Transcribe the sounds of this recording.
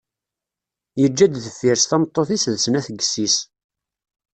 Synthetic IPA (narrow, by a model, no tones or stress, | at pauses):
jəd͡ʒːæd̪θəfːiɾsθæmt̪ˤːoθisðsənæθəɡsis